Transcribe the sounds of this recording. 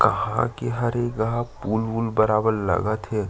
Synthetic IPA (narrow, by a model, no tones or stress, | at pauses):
kɐɦã̰kiɦɐɾeɡɐɦãpuːlbulbəɾaːbəɾlə̰ɡət̪ɦɛː